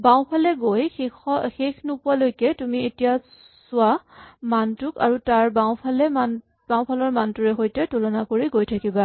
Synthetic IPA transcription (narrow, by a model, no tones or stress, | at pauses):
baw̃pʰalɛɡojɔxexʰnupʊalojkɛtumietija | sʊamantʊka̰ɹutaɹbawpʰalɛman | b̥aw̃pʰalɔɹmantʊɹɛxojtɛtulɔnakoɹiɡojtʰakiba